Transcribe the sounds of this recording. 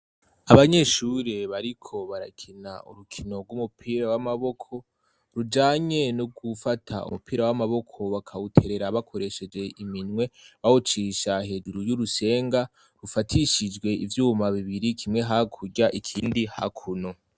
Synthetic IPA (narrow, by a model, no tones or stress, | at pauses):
aβaɲe̞ʃuɾe̞βaɾikʰo̞βaɾakʰina̰ṵɾukʰino̞ɡumupʰiːɾawamaβo̞kʰo̞ | ɾud͡ʒaːɲe̞nuɡufatʰa̰ṵmupiːɾawamaβo̞kʰo̞βakʰawutʰe̞ɾe̞ɾaβakʰo̞ɾe̞ʃe̞d͡ʒe̞ʔiminŋwe̞βaut͡ʃiʃahe̞duɾujuɾuse̞ːŋɡa | ɾufatʰiʃid͡ʒɡwe̞ivjuːmaβiβiɾikʰimŋe̞ɦakʰuɟaʔikʰiːndiha̰kʰuno